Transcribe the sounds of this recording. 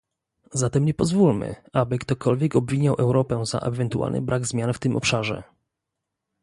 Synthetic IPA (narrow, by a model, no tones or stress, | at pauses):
zat̪ɛmɲɛpɔzvulmɘ̰abɘkt̪ɔkɔlvʲjɛkɔbvʲiɲawʔɛwɾɔpɛza̰ʔɛvɛnt̪uʔa̰lnʔɘ̰bɾʔaɡzmʲjanft̪ɘmʔɔpʂaʐɛ̰